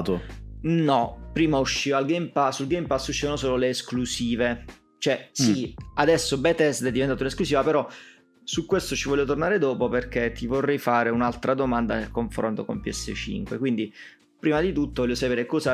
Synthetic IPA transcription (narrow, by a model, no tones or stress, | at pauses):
t̪onɔpɾiːmauʃːiːalɡejmpaːulɡejmpasːuʃːiːvanosoːloleːsklusiːve | t͡ʃoɛsiad̪ɛsːobɛt̪ɛst̪ɛd̪ːivent̪aːt̪unesklusiːvapeɾɔ | sukːwest̪ot͡ʃivɔʎːjot̪ornaːɾed̪ɔːpoperk̟et̪ːivorːɛjfaːɾeunalt̪ɾad̪omand̪anelkoɱfɾo̰nt̪okompiɛsːḛt͡ʃḭŋkwḛkwind̪i | pɾiːmad̪it̪ut̪ːovɔʎːjosapeːɾekɔːza